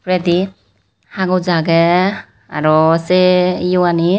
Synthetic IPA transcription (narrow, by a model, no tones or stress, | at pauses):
pɾed̪i | haɡɔwd͡ʒaɡɛ | aɾɔsejuwani